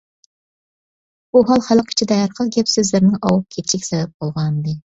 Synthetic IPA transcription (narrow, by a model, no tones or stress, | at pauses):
buɦɑlˠχælˠqʰi̥t͡ʃʰid̪ɛæɾqəlˠɡʲɛpsɪzlɪɾnɪŋɑwɑp̚kʲʰet̪t͡ʃʰikʲsɛbɛp̚bolˠʁɑnd̪ɨ